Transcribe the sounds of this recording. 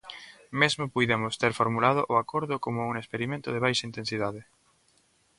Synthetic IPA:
mezmopujðemʊst̪eɾfoɾmulaðoʔʊakoɾðʊkomʊuŋespeɾimẽnt̪ʊðeβ̞ajʃaint̪ẽnsiðaðɪ

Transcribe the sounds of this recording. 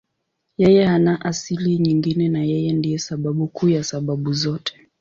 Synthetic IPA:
jɛjɛhanaʔasiliɲiŋɡinɛnajɛjɛndijɛsaɓaɓukʰuːjasaɓaɓuzɔtɛ̥

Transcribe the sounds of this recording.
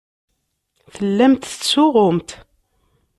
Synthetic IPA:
θəlːæmt̪ə̥t͡sːʊʁʊmt̪

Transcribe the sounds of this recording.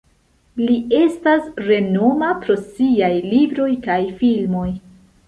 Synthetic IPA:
lie̞stasɾe̞no̞mapɾo̞siajlibɾo̞jkajfilmo̞j

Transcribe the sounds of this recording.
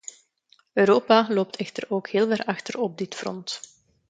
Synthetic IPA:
øːɾoːpaloːp̚tʰɛxtəroːkheːlˠvɛrɑxtərɔb̚dɪtfrɔ̰nt

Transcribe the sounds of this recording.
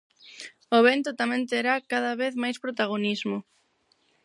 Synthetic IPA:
oβent̪ʊt̪amɛ̃nt̪eɾakaðɐβeθmajspɾot̪aɣ̞onizmʊ

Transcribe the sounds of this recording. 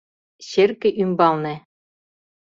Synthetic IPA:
ɕerkɘ̆ʔymbɑlˠnɘ̆

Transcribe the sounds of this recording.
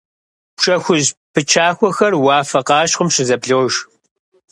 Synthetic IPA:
pʂɐxʷʊʑpʰɨt͡ʃʰaːxʷɔxɐrwɑːfɐqɑːɕqʷʊmʃɪzɐpɮɨwʃ

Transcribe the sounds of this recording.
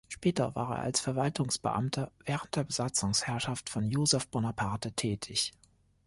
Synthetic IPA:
ʃpɛːtɐva̰ːʁḛːɐʔalsfɛɐvaltʊŋsb̥ə̰ʔa̰mtʰɐvɛːʁənt̚d̥eːɐbəzat͡sʊŋshɛɐʃaftfɔnjoːzɛfb̥onapʰaɐtətʰɛːtʰɪç

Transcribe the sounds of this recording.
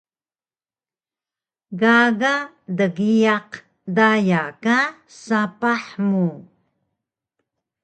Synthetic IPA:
ɡaɡa | dəɣijaq | dajaka | sapaħmu

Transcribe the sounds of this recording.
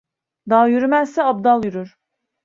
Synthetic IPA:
d̪ɑːjyɾymæzsɛɑb̚d̪ɑlˠjyɾyɾ

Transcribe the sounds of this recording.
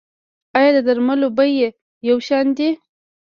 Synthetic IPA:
ɑjɑd̪əd̪aɾmalobaje | jawʃɑnd̪i

